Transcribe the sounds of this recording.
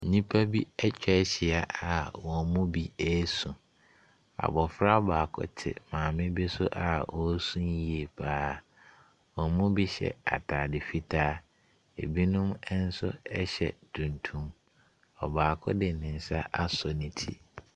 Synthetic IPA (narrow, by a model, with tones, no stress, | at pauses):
n̩˨ɲĩ˦pʰa˦bi˦ɛ˦t͡ɕᶣɛ˦ɕɪ˨a˨ʔa˨wɔ̃˨mʊ̃˦bi˦ɛ˦sũ˨ | a̰˨bɔ˨fɾa˦baː˨kʰɔ̰˦tʰɪ̰˨mãː˨mɪ̃˦be˦sʊ˦ʔa˨wɔ˨˦sũ˦ji˨e˨pʰaː˦˨ | wɔ̃˨mʊ̃˦bi˦ɕɛ̰˨a̰˨tʰaː˨dɪ˨fi˦tʰaː˦ | ḛ˨bi˦nʊ̃˦mɛ˦n̩˦sʊ̰˦ɛ˦ɕɛ̰˨tʰũ˨ntʰũ˦m | ɔ̰˨baː˨kʰɔ̰˦dɪ˨nɪ̃˨n̩˨sa˦ʔa˦sɔ˨nĩ˨tʰḭ˦